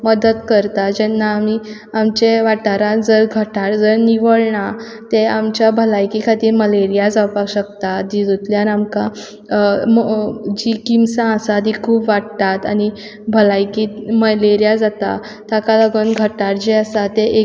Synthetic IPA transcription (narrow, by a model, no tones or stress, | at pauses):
məd̪ət̪kəɾt̪ad͡ʑɛnːaːmi | amt͡ɕeʋaʈaɾãd͡zəɾɡʱəʈaɾd͡zəɾniʋəɭɳa | t̪eamt͡ɕjabʱəlajkikʰat̪iːɾməleɾijad͡zawpakɕəkt̪ad̪id̪ut̪ljaɾamka | d͡ʑikimsãəsad̪ikʰuːbʋaɽt̪at̪ani | bʱəlajkiməleɾijad͡zat̪a̰ | t̪akalaɡənɡʱəʈaɾd͡ʑeasat̪eʔe